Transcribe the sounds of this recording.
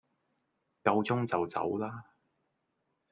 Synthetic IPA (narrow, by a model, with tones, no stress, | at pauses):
kɐ˧wt͡sʊ˥ŋt͡sɐ˨wt͡sɐ̰˨˥wlaː˥